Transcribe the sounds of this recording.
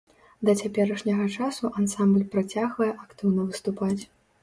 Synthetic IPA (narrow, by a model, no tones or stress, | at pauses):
d̪ɐt͡sʲapʲɛɾɐʂnʲɐɣɐt͡ʂasuʔansamblʲpɾat͡sʲaɣvɐjɛʔakt̪ɨwnɐvɨst̪upat͡sʲ